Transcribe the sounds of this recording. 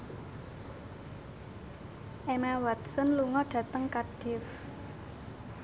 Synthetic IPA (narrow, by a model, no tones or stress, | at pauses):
ʔemawat̪̚sənluŋɔɖ̥ä̤t̪əŋkaɖ̥ɪf